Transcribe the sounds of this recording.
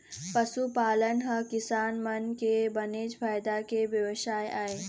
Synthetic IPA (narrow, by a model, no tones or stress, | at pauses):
pəsupaːlənɦəkɪsaːnmənkebɐneːd͡ʒfʰaːjd̪akeʋjɐʋʃaːjaːe